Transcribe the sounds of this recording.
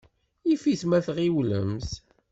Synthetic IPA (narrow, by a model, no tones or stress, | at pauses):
ifiθmæθʁiwlə̰mθ